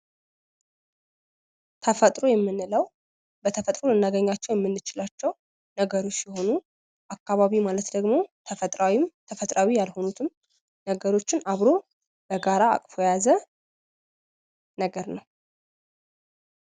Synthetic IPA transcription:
t̪ʰəfət̪ʼɾo̞jɛmːɨnɨləw | bət̪ʰəfət̪ʼɾolɨnːaɡəɲːat͡ʃːɛwjɛmːɨnːɨt͡ʃɪlat͡ʃːɛw | nəɡəɾo̞t͡ʃːjɛho̞nu | ʔakːaβaβimalət̪d̪əɡmo̞t̪ʰəfət̪ʼɾawimt̪ʰəfət̪ʼɾawijalho̞nut̪ʰɨm | nəɡəɾo̞t͡ʃːɪnaβɾo̞ | b̥əɡaɾa̰ːkʼfo̞jazə | nəɡəɾnəw

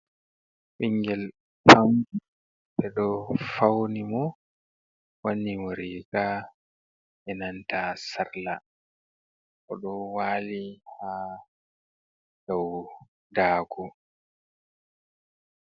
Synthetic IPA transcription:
ɓiŋɡɛl | pamɡu | bɛɗɔfawnimɔ | wanːimɔɾika | ʔɛnantasaɾla | ʔɔɗɔwaːliha | daw | daːɡɔ

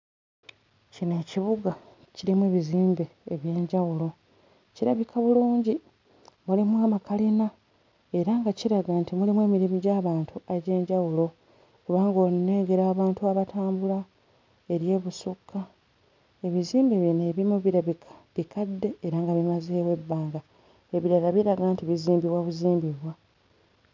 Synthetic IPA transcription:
cine̞ːciβuɡa | ciɾimueːβiziːmbe̞ːβje̞ːɲɟawulo̞ | ciɾa̰βikʰaβuluːɲɟi | mulimwaːmakalina | e̞ɾaŋɡaciɾaɡantimulimwe̞ːmiɾimiɟaːβaːntuaɟe̞ːɲɟawulo̞ | kuβaːŋɡo̞ne̞ːŋɡe̞ɾaːβaːntuaβatʰaːmbula | e̞ɾje̞ːβusukʰːa | e̞βiziːmbiβineβimuβiɾaβiaβikʰadːe̞ːɾaːŋɡaβimazeːwe̞bːaːŋɡa | eβiɾalaβiɾaɡaːntiβiziːmbiβwaβuziːmbiβwa

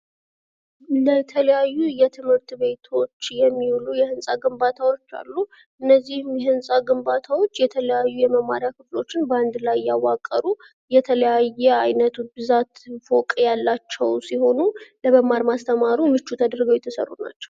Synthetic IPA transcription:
lət̪ʰələjajːujɛt̪ʰɨmhɨɾt̪βe̞t̪ʰo̞t͡ʃːjɛmːiwlujɛhɨnsʼaɡɨmbat̪ʰawo̞t͡ʃːa̰lːu | ʔɨnːəzːihmjɛhɨnsʼaɡɨmbat̪ʰawo̞t͡ʃːjɛt̪ʰələjajːujɛməma̰ɾjakʰɨflo̞t͡ʃːɪnbəand̪lajjawakʼːəɾu | jɛt̪ʰələjajːɛajnət̪ʰubɨzat̪fo̞kʼjalːat͡ʃːɛwsiho̞nuləβəmaɾmast̪ʰəmaɾumɨt͡ʃːut̪ʰəd̪ɾɡəwjɛt̪ʰəsə̰rːṵna̰t͡ʃːɛ̥w

